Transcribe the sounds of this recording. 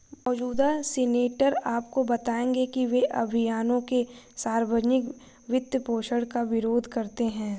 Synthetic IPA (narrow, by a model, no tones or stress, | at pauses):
mɔːd͡ʒuːd̪aseːneːʈəɾaːpkobɐt̪aːẽːŋɡekiʋeʔɐ̰bʱɪjaːnõkesaːɾʋəd͡ʒnɪk | ʋɪt̪jəpoːʃəɽkaʋɪɾoːd̪ʱkɐɾt̪eɦɛ̃ː